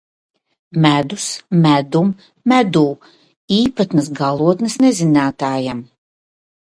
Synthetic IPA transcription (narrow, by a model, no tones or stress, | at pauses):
mʲæd̪usmæd̪umː | æd̪uː | iːpat̪nɐsɡalˠuɔt̪nɨsnɛzinaːt̪aːjam